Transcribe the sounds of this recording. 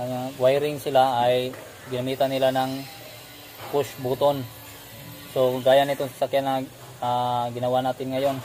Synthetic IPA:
aŋawajɾɪŋsɪlaːj | ɡɪnamiːt̪anːɪlanaŋ | pʊsbut̪on | soɡaːjanɪt̪oŋsḁsakjana | aɡɪnɐwanaːt̪ɪnŋɐjon

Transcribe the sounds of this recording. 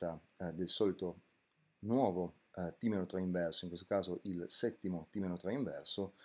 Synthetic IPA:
a | d̪elsɔːlit̪o | nwɔːvo | t̪imeɾot̪ɾaiɱvɛrsoiŋkwest̪okaːzoʔilsɛt̪ːimot̪iːmenot̪ɾaiɱvɛrso

